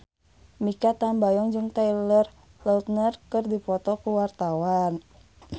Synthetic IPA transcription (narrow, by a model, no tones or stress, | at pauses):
mikat̪ambajɔŋd͡ʒɨŋt̪ajlər | lɔlt̪̚nərkɨrdipɔt̪ɔkuwart̪awan